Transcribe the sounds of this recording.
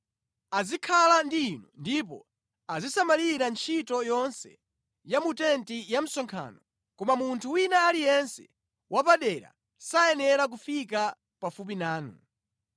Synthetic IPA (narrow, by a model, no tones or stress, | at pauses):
azikʰalandiːnundip̬ɔ̰ | azisamaliɾant͡ʃʰitɔjɔnsɛ̰ | jamutɛntijam̩sɔŋkʰa̰ːnɔ | kɔmamuntʰuwinaːlijɛnsɛ̥ | wʔapaɗɛɾa̰ | sajɛnɛɾak̬ufika | pafup̬inaːnṵ